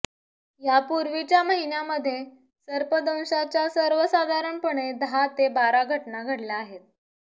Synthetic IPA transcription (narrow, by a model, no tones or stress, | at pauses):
japuɾʋit͡ɕjaməɦinjaməd̪ʱːje | səɾpəd̪ə̃w̃ɕat͡ɕjasəɾʋəsad̪ʱaɾəɳpəɳ̃ed̪ʱat̪ebaɾaɡʱəʈnaɡʱəɽlaːɦet̪̚